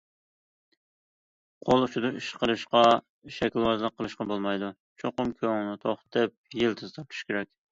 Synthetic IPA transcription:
qʰolˠʃud̪ɨiʃqəlˠɨʃqɑ | ʃɛkʲlˠwɑzlˠəqʰːəlˠɨʃqɑbolˠmɑjd̪u | t͡ʃʰoqʊmkʲʰøŋnɪt̪ʰoχt̪t̪ɨp̚jɪlt̪ʰɨz̥t̪ʰɑp̚t̪ʰu̥ʃkʲʰeɾɛkʲ

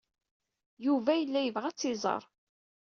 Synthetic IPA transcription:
juvæjəlːæjəvʁæt͡sːɪzˤɑ̰ɾˤ

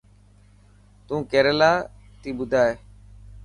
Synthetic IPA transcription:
t̪ũːkeːɾeːlaː | t̪iːɓʊd̪ʱaːeː

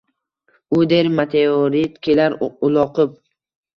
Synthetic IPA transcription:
ʊd̪eɾmat̪ʰeoɾit̪kʲʰelaɾʊlˠɒqʰɨp̚

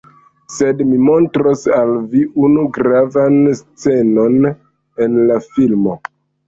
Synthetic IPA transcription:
se̞dmimo̞ntɾosalviʔunuɡɾavanst͡se̞no̞n | e̞nlafilmo̞

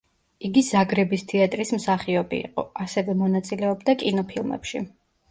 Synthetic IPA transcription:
iɡizaɡɾɛbist̪ʰɛat̪ʼɾismsaχiɔbiḭqʼɔ̰asɛvɛmɔnat̪sʼilɛɔbd̪akʼinɔpʰilˠmɛ̰pʃi

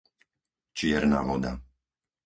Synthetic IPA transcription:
t͡ʃɪɛɾna̰ːʋɔd̪a̰

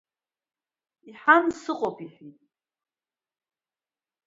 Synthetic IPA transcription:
iħansɨqʼopʰʼiħitʼ

